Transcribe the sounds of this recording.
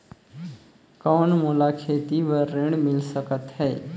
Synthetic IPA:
kɔːnmolakʰeːt̪iʋəɾːɪɳɖmɪlsəkət̪ɦɛː

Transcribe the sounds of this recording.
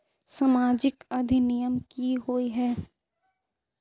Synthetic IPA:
samaːd͡ʒɪkɐd̪ʱinɪjəmkiɦoːiɦɛː

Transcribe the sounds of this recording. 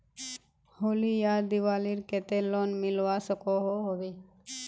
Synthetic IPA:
holijaɾd̪iwaliɾkɛt̪elɔnmilwasɔkɔɦɔɦɔbe

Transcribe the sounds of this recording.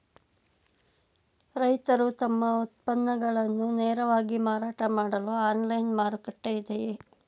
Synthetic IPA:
ɾɐjt̪ɐɾut̪ɐmːɐut̪̚pɐnːɐɡɐɭɐnːuneːɾɐʋaːɡimaːɾaːʈɐmaːɽɐluaːnlɐjnmaːɾukɐʈːejid̪eje

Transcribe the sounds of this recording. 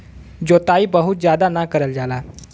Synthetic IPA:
d͡ʑot̪aiːbəɦut̪̚d͡zjad̪anakəɾəld͡zala

